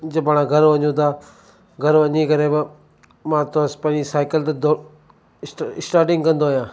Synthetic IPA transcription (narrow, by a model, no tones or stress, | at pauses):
d͡ʒəbaːɽ̃ãɡʱɐɾʋɐɲũːt̪aː | ɡʱɐɾʋɐ̃ɲikɐɾeːbɪ | mãːt̪ospɐ̃ːisaːɪkəlt̪ɐd̪o | ɪsʈaːɾʈɪ̃ŋɡkɐ̃nd̪oɦjãː